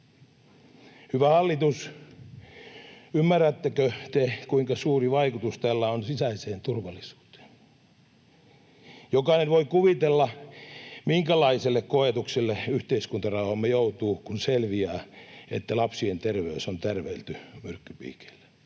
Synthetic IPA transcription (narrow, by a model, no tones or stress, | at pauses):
hyʋæhɑlːit̪us | ymːærːæt̪ːekøt̪ekuiŋkɑsuːriʋɑikut̪ust̪ælːæonsisæiseːnt̪urʋɑlːisu̥ːt̪e̥ːn | jokɑinenʋoikuʋit̪elːɑ | miŋkælɑiselːekkoet̪ukselːeyht̪eiskunt̪ɑrɑuhɑmːejout̪uːkunselʋiæːet̪ːælɑpsient̪erʋeysont̪erʋeilt̪ymyrkːypḭːke̥l̥ːe̥